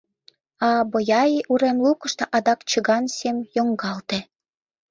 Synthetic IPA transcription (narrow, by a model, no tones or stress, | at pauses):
ɑbojɑjiʔuɾemlukəʃt̪eʔɑd̪ɑkt͡ɕəɣɑnsemjoŋɡɑlt̪e